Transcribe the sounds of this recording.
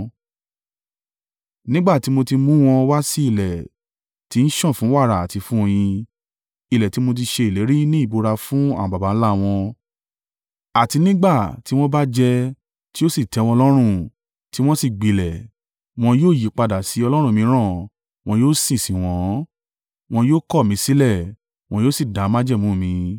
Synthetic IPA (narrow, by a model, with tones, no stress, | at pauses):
nĩ˦ɡ͡ba˦˨ti˨˦mo˧ti˧mũ˦w̃ɔ̃˧wa˦si˦i˦˨lɛ˨ | ti˨˦n̩˦ʃɔ̃˦˨fũ˨˦wa˦˨ɾa˨a˨ti˨˧˦fũ˦o˧j̃ĩ˧ | i˨lɛ˨ti˨˦mo˧t̬i˧ʃe˧i˨le˨˦ɾi˦nĩ˦i˦˨bo˧ɾa˧fũ˦ã̰˦˨ba˨ba˨˦n̩˦la˦˨w̃ɔ̃˧ | a˨ti˧nĩ˦ɡ͡ba˦˨ti˦w̃ɔ̃˦ba˦d͡ʒɛ˧ | ti˦o˦si˦˨tɛ˨˧˦w̃ɔ̃˧lɔ˦ɾ̃ũ˦˨ | ti˦w̃ɔ̃˦si˦˨ɡ͡bi˨lɛ˨ | w̃ɔ̃˧joː˦˨ji˨˦k͡pa˧da˨si˨˦ɔ˧lɔ˦ɾ̃ũ˦˨mĩ˧˦ɾ̃ã˦˨ | w̃ɔ̃˧joː˦sĩ˦˨sĩ˨w̃ɔ̃˨˦ | w̃ɔ̃˧joː˦kɔ˦˨mĩ˨˦si˨˦lɛ˦˨ | w̃ɔ̃˧joː˦si˦˨da˨˦mã˦d͡ʒɛ˦˨mũː˨˦˨mĩ˧